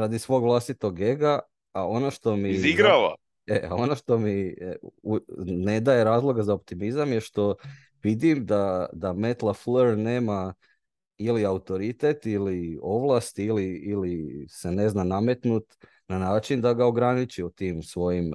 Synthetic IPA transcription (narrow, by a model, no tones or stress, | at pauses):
ɾad̪isʋo̞ːɡʋlˠast̪it̪o̞ɡːe̞ɡa | ao̞noʃt̪o̞miziɡɾaʋa̰ | ea̰o̞noʃt̪o̞mi | une̞d̪ajeɾaːzlˠo̞ɡazaop̚t̪imizamjeʃt̪o̞ | ʋid̪imd̪ad̪ame̞t̪lˠafləɾne̞ːma | iliaut̪o̞ɾit̪e̞t̪ilio̞ʋlˠast̪iliilise̞ne̞znaname̞t̪nut̪ | nanaːt͡ʃind̪aɡao̞ɡɾanit͡ʃiot̪iːmsʋo̞jim